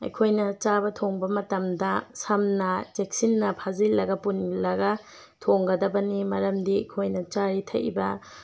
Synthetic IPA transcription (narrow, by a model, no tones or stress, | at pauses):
ɐ̰jkʰojnɐt͡ʃabɐtʰoŋbɐmɐtɐmdɐsɐmnɐd͡ʒek̚sinːɐpʰazilːɐɡɐpunlɐɡɐ | tʰoŋɡɐdɐbɐnimɐɾɐmdiɐ̰jkʰojnɐt͡ʃaɾitʰɐ̰ʔbɐ